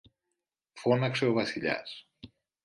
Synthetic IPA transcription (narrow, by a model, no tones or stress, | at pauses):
fonaksewβasiʎa̰s